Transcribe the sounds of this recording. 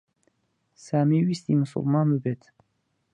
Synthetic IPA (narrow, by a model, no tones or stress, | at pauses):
saːmiwist̪iməsṵlˠmɑːnməbeːt̪ʰ